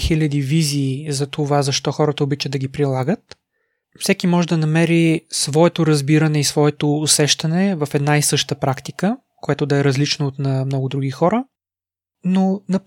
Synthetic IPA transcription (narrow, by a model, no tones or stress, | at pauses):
xilʲɐd̪iviziːzɐt̪ovazɐʃt̪ɔxɔɾət̪əobit͡ʃəd̪ːɐɡʲipɾilˠaɡət̪ | fsɛkimɔʒɛd̪ɐnɐmɛɾisvɔɛt̪ʊɾɐzbiɾɐnɛisvɔɛt̪oːsɛʃt̪ɐnɛvɐfɛd̪naisɤʃt̪əpɾakt̪ikə | koɛt̪ʊd̪ɐɛɾɐzlit͡ʃnoːt̪nɐmnɔɡʊd̪ɾuɡixɔɾə | nonɐ